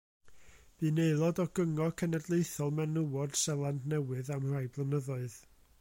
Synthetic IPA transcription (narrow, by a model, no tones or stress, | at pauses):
b̥iːneɨlˠɔdɔɡ̥əŋɔkʰənɛdlˠeɨθɔlˠmɛnəwɔd̥sɛlˠandnɛwɨðamrajblˠənəðʊɨð